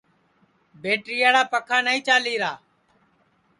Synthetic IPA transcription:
beːʈɾɪːjaːɽaːpəkʰaːnaːĩːt͡ʃaːliːɾaː

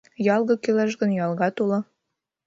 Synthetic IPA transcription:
jɑlˠɣɤ̆kølæʃɣə̆njɑlˠɣɑt̪ulɤ̆

